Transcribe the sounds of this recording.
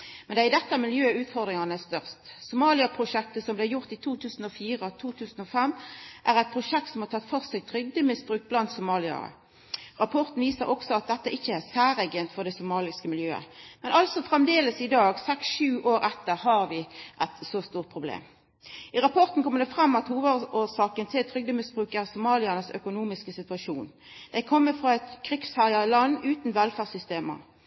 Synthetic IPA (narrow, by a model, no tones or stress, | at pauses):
mɛnd̪ɛːʁɪd̪ɛt̪ːəæmɪljøːʉːt̪fɔʁd̪ʁɪŋɑnəæst̪œʁst̪sʊmɑːlɪɑpʰʁʊʃɛk̚t̪əsɔmblɛːjʊʁt̪iːt̪ʰuːt̪ʰʉːsn̩ɔːfiːʁəɔt̪ʰuːt̪ʰʉːsn̩ɔfɛmːʔæʁæɪt̪̚pʰʁʊʃɛk̚t̪sɔmhɑʁt̪ʰɑt̪fɔʁsɛɡt̪ʰʁʏɡ̪ːəmɪsbʁʉːk̚t̪̚blɑnt̪sʊmɑːlɪɑ̰ə̰ | ʁɑpʰɔʁt̪n̩ʋiːsəɾɔksɔɑt̪̚d̪ɛt̪ːəʔɪçːəæsæːʁɛɡənt̪fɔʁd̪ɛsʊmɑːlɪskəmɪljøːə̰mɛnʔɑlsɔfʁɛmd̪eːləsɪd̪ɑːɡsɛksʃʉːʔoːɾʔɛt̪ːəʁhɑʁʋɪʔɛt̪sost̪uːʁt̪̚pʰʁʊblḛːm | ɪʁɑpʰɔʁt̪n̩kʰɔməd̪ɛfʁɑmːɑt̪huːʋəoːsɑːkənt̪ʰɪlt̪ʰʁʏɡ̚d̪əmɪsbʁʉːkæʁsʊmɑːlɪənəsœ̰kʊnuːmɪskəsɪt̪ʋɑʃuːn | d̪̥æɪkʰɔmːəfʁɑɛt̪kʰʁɪkshæɾɑəlɑnːʉːt̪n̩ʋɛlfæːʁsʏst̪eːmə̰